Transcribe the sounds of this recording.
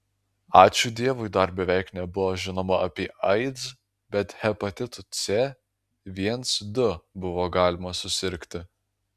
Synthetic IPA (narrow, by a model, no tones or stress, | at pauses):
ɑːt͡ʃʲuːd̪ʲiɛʋʊɪd̪ɐɾbʲɛʋʲɛɪknʲɛbʊʋoːʒʲɪnoːmɐʔɐpʲiɛʔɐɪt̪s | bʲɛt̪hʲɛpɐt̪ʲɪt̪ʊt̪sʲe | ʋʲiɛnsd̪ʊbʊʋoːɡɑːlʲɪmɐsʊsʲɪɾʲkʲt̪ʲɪ